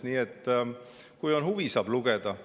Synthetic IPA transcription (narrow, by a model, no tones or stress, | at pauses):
niːet̪ːˑ | kujo̞nɦuvisɑːb̥luɡ̥e̞d̪ɑ